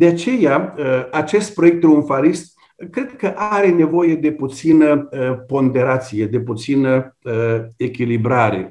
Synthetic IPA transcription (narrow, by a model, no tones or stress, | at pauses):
d̪̥eat͡ʃe̞jaəat͡ʃe̞st̪̚pɾo̞jek̚t̪ɾeunfalist̪ | kɾe̞d̪kəʔaɾe̞ne̞vo̞je̞d̪e̞put̪sinəəpo̞nd̪e̞ɾat̪sije̞d̪e̞put̪sinəəekʲilibɾaɾe̞